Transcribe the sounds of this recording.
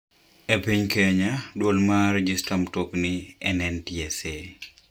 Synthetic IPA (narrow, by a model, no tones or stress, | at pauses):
epiɲkeɲadwolmaɾed͡ʒistamtokniɛnɛntiɛse